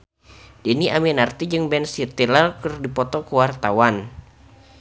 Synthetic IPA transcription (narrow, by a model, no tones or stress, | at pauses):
d̥iniʔaminart̪id͡ʒɨŋbɛnsit̪ilərkərdipɔt̪ɔkuwart̪awan